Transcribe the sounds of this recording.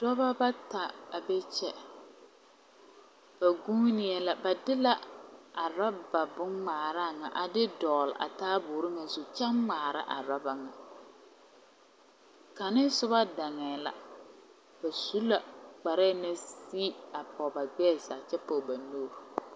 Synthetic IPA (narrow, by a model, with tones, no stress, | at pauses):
d̥ɔ˦ba˦ba˦ta˨a˨bɛ˦t͡ʃɛ˦ | b̥a˨ɡuː˦nɪ˨˦ɛ˨la˨ba˨dɪ˦la˦a˨ɾa˦ba˨bʊ˦ŋmaː˨ɾa˦˨ŋa̰˨ʔa˨dɪ˦dɔː˨lʔa̰˨taː˦bʊː˨ɾɪ˦ŋa˨zu˨t͡ʃa˦ŋŋ͡maː˨ɾa̰˦ʔa̰˨ɾa˦ba˨ŋa˨ | ka˨nɪ˦sʊ˦βa˦da˨ŋɛː˨la̰˨ | ba˨su˦la˨k͡pa˨ɾɛ˦˨˦na˦siː˦a˨pɔ˨ba˨ɡ͡bɛː˦˨sa˨t͡ʃɛ˦po˨ba˨noː˦ɾ